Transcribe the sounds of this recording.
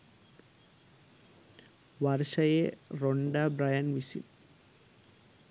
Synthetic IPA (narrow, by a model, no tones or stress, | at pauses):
ʋɐrʂɐjeroɳɖabɾɐjɐnʋisḭn